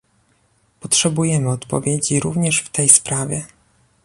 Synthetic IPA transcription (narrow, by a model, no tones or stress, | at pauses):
pɔtʂɛbujɛmɘɔt̪pɔ̰vʲjed͡ʑiɾuvɲɛʂft̪ɛjspɾavʲjɛ